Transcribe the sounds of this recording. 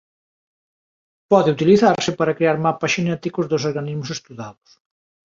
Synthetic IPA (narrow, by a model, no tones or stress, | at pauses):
pɔðɪut̪iliθaɾsɪpaɾɐkɾeaɾmapasʃinɛt̪ikʊzðʊs̬oɾɣanizmʊsest̪uðaðʊ̥s